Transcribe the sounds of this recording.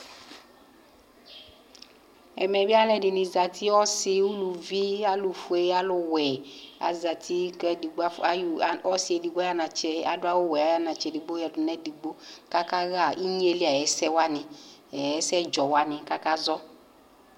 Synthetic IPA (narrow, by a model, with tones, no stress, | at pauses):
ɛ̰˨mɛ˨bi˦a˦lɛ˨dɪ˨nɪ˨za˨tʰi˦ɔ˦sɪ˦u˦lu˨vi˦a˦lu˨fu˨˦e˨˦a˦lʊ˨wɛ˨a̰˨za˨tʰi˦kɛ˦di˨ɡ͡ba˦˨˦ɔ˦si˨ɛ˨di˨ɡ͡ba˦ja˦na˨t͡ʃɛ˦a˨dʊ˦a˦wʊ˦wɛ˨a˦ja˦na˨t͡ʃɛ˨di˨ɡ͡bo˦jɛ˨dʊ˨nɛ˦di˨ɡ͡bo˦ka˦ka˦ɣa˦˨i˦ɲ˦e˨li˦a˨jɛ˨˦sɛ˦wa˦nɪ˧ɛ˨ɛ˦sɛ˦d͡ʒɔ˨wa˦nɪ˨ka˦ka˦zɔ˦